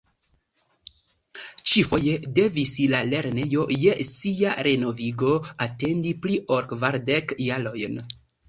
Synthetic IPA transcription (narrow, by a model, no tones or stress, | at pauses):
t͡ʃifo̞je̞de̞vislale̞ɾne̞jo̞je̞siaɾe̞no̞viɡo̞ate̞ndipliʔo̞ɾkvaɾdekjalo̞jn